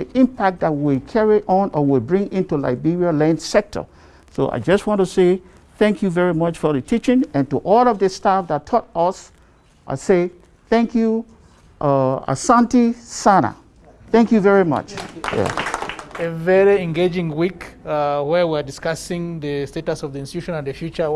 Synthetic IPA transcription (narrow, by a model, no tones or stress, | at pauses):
ðiʔĩmpʰak̚t̚dat̚wilkʰɛɹiʔɔ̃nʔəwilbɹɪ̃ŋɪ̃ntula̰ɪbiɹialɛ̃ndsɛk̚tʰə̰ | so̰ʔa̰ɪd͡ʒʌstwɔ̃ntuseɪ | θɛ̃ŋkʰjuvɛɹimʌt͡ʃfɔðɨtʰit͡ʃɪ̃ŋɨ̃ntuʔɔlˠɔvðɨstafðattʰɔt̚ʌs | ʔa̰seɪ | θɛ̃ŋkʰju | ʔʌa̰sãntisana̰ | θɛ̃ŋkjuvɛɹimʌ̰t͡ʃjæ̰ | evɛɹiɛ̃ŋɡed͡ʒɪ̃ŋwikwə˞wiadɪskasɪ̃ŋðəstetɔsɔvðiĩnsti̥tuʃɔ̃nãndðəfjut͡ʃə